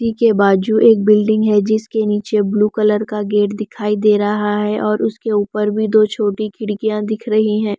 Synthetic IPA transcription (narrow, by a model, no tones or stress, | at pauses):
ikebaːd͡ʒuʔeːk̚bɪlɖɪ̃ŋɡɦɛd͡ʒɪskeniːt͡ʃebluːkələɾkaɡeːʈd̪ɪkʰaːid̪eːɾɐɦaɦɛʔɔːɾʊskeuːpəɾbʱid̪oːt͡ʃʰoːʈikʰɪɽkijãd̪ɪkʰɾɐɦiɦɛ̃ː